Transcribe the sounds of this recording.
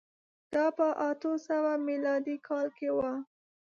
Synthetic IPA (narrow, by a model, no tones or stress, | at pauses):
d̪̥ɑpəʔat̪osawamilɑd̪ikʰɑlkewa